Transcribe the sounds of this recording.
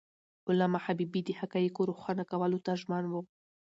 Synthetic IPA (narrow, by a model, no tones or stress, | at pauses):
ʊlamaħabibid̪ihakajikoɾuxʷanakawalut̪aʒmanwo